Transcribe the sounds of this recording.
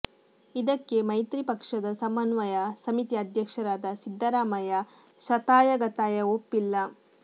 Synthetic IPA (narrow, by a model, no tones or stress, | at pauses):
id̪ɐkːe̞mɐjt̪ɾipɐkʂɐd̪ɐsɐmɐnʋɐjɐsɐmit̪iɐd̪ʱjɐkʂɐɾaːd̪ɐsid̪ʱːɐɾaːmɐjɐ | ʃɐt̪aːjɐɡɐt̪aːjɐopːilːɐ